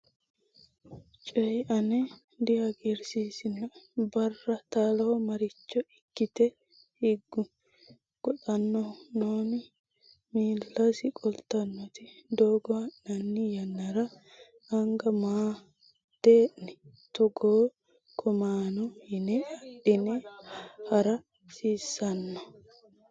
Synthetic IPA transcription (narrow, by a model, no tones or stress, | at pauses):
t͡ʃʼɛjʔɐnɛ | d̪ɪjɐɡiɾsiːsɪnɐbɐrːɐt̪aːlɐhɔmɐɾɪt͡ʃːɔɪkːɪt̪ɛ | hɪɡːʊ | ɡ̥ɔᶑɐnːɔnoːnɪ | miːlːɐsɪkʼɔlt̪ːɐnːɔt̪ɪd̪oːɡɔɐnɐnːɪjɐnːɐɾɐ | ɐŋɡɐmaː | d̪̥eːʔnɛ | t̪ɔɡoː | kʰɔmaːnɔhɪnɛɐɗːɪnɛhɐɾɐ | siːsːɐnːɔ